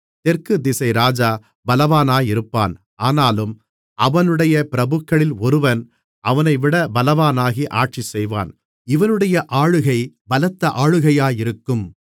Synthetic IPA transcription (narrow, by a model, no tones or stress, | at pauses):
t̪ɛrkɯd̪ɪsɐɪɾaːd͡ʒaː | bɐlɐʋaːnaːjɪɾɯpːaːn | aːnaːlɯm | ɐʋɐnɯɽɐjɐpɪɾɐbɯkːɐɭɪlɔɾɯʋɐn | ʔɐʋɐnɐɪʋɪɽɐbɐlɐʋaːnaːɣiʔaːʈ̚t͡ʃisɛjʋa̰ːn | ɪʋɐnɯɽɐjɐʔaːɻɯɣɐɪ | bɐlɐt̪ːɐʔaːɻɯɣɐjaːjɪɾɯkːɯm